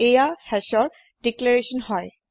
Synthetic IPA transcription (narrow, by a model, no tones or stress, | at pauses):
ejahɛsɔɹ | d̥iklaɹesɔnhɔj